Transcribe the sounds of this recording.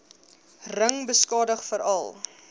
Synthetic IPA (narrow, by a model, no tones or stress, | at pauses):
rəŋbəskɑːdəχfəɾɐlˠ